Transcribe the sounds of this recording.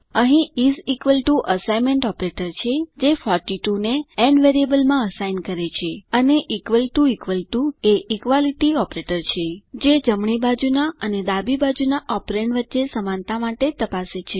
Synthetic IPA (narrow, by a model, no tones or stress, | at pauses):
əɦĩizikʋəlʈuʔəsajmẽɳʈɔpɾeʈəɾt͡ʃʰed͡ʒefɔɾʈiʈuneɛnʋeɾiəbəlmãəsajnkəɾet͡ʃʰeəneʔikʋəlʈuikʋəlʈueikʋaliʈiɔpɾeʈəɾt͡ʃʰed͡ʒed͡ʒəmɳ̃ibad͡ʒunaəned̪abibad͡ʒunaʔɔpɾeɳʋətːʃesəmãnt̪amaʈet̪əpaset͡ʃʰe